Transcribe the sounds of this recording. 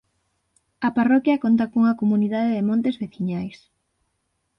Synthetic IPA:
ɐparɔkjɐkont̪̬ɐkoŋɐkomuniðaðeðɪmõnt̪ezβeθiɲajs

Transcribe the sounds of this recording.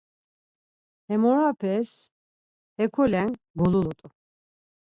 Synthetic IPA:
ɛmɔɾapʰɛs | ɛkʰɔlɛŋ | ɡululut̪ʼu

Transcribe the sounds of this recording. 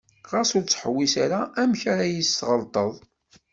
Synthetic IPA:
ʁasʊɾt͡sːħəwːisaɾaʔæmçaɾajisːʁəlt̪ˤəðˤ

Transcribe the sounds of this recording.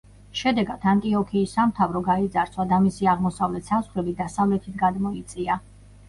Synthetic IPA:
ʃɛd̪ɛɡad̪ʰant̪ʼiɔkʰiːsamt̪ʰavɾɔɡaid̪zaɾt̪sʰwad̪amisiaʁmɔsavlɛt̪ʰsasχɾɛbid̪asavlɛt̪ʰit̪ʰɡad̪mɔit̪sʼia

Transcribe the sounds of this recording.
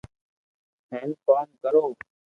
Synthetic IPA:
hẽːnkaːnkəɾoː

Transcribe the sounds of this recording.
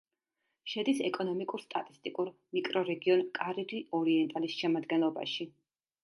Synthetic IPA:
ʃɛd̪isɛkʼɔnɔmikʼuɾst̪ʼat̪ʼist̪ʼikʼuɾ | mikʼɾɔɾɛɡiɔnkʼaɾid̪iʔɔɾiɛnt̪ʼalisʃɛmad̪ɡɛnlˠɔba̰ʃi

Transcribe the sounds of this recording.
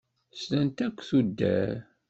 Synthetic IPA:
slænt̪ækʷːθud̪ːæ̰ɾ

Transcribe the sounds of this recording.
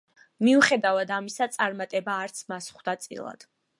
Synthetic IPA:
miuχɛd̪avad̪amisat̪sʼaɾmat̪ʼɛbaːɾt̪sʰmasχd̪at̪sʼḭlˠa̰d̪̥

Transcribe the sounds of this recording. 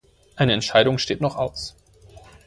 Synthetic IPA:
ʔaɪnəɛntʃaɪɾʊŋʃteːtnɔχʔaʊs

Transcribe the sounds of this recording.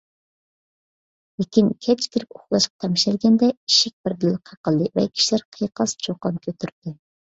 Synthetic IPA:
lɪkʲinkʲʰɛt͡ʃkʲʰiɾɪpoχlˠɑʃqɑ̥t̪ʰɛmʃɛlɡʲɛnd̪ɛiʃɪk̚ʲbɪɾd̪ɪlqʰɑqəlˠd̪ɨvɛ̰kʲʰi̥ʃilæɾqʰəjqɑst͡ʃʰoqːɑnkʲʰøt̪ʰyɾt̪d̪ɪ

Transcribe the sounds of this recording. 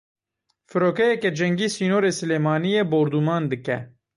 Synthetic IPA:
fɨɾoːkɛjɛkɛd͡ʒɛŋɡiːsiːnoːɾeːsɨleːmɑːnijeːboːɾd̪umɑːnd̪ɨkɛ

